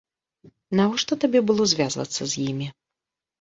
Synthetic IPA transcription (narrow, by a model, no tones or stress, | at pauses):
navɔʂt̪ɔt̪abʲɛbɨlˠɔzʲvʲazvɐ̰t̪sːɐzʲjimʲi